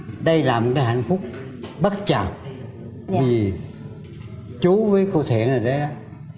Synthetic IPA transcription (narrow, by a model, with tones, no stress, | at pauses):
ɗə˧jlaː˨˩m˨˩t̚kaː˨˦jɦa̰˧˩˨jŋ̟fʊ˦˥k͡p̚ | ɓə˦˥t̚t͡ɕa˨˩ŋ | vi˨˩ | t͡ɕu˨˦vəː˨˦jko˧t̪ʰɛ̰˧˨ənəː˨˩ɗə˨˦jɗɔ˨˦